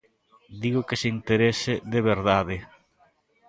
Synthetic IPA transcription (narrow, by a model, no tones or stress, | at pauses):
d̪iɣʊkɪseint̪eɾesɪðeβeɾðaðɪ